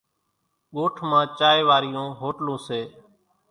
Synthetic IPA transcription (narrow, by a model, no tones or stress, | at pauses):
ɠoːʈʰmãːt͡ʃaːeːʋaːɾɪjõːɦoːʈlõːseː